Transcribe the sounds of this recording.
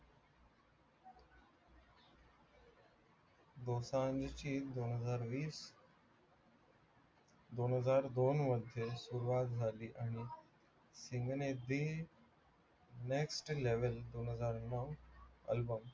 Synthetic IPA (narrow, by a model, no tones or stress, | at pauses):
d̪oːsãə̃ɲd͡ʑt͡ɕiːd̪oːnɦəzaːɾʋiːs | d̪oːnɦəzaːɾd̪oːnmɐd̪ʱesuɾuaːt̪zaːɗiʔaːni | sɪ̃ŋɡned̪i | neːksʈleːʋəld̪oːnɦəzaːɾnãɐ̰lbəm